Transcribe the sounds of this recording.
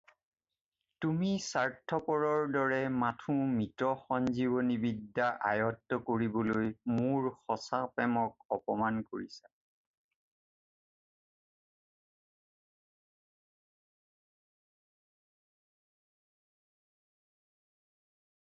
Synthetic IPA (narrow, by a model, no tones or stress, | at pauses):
tumisaɹtʰːɔpɔɹɔɹdɔɹɛmatʰũmitɹɔxɔnziβɔnibidːaʔa̰jɔtːɔkoɹibɔlojmuɹxɔsapɛmɔk̚ɔpɔmankoɹisḁ